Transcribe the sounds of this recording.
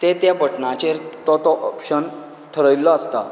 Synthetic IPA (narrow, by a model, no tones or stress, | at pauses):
t̪et̪jabʱəʈnãt͡ɕeɾt̪ɔt̪ɔʔɔpɕən | ʈʰəɾəjlːɔəst̪a